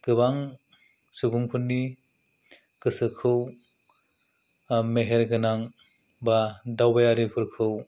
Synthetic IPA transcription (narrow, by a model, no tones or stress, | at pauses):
kɯβaŋ | suɡuŋpʰunːi | kɯsɯkʰɯw | meɦeɾɡɯnaŋ | badawbajaɾipʰɯɾkʰɯw